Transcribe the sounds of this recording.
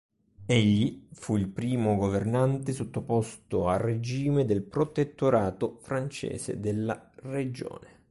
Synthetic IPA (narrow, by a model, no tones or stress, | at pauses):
eʎːifuilpɾiːmʊɡovernant̪ɪsot̪ːopɔst̪oared͡ʒiːmed̪elpɾot̪et̪ːoɾaːt̪ofɾant͡ʃḛːsḛd̪elːared͡ʒo̰ːne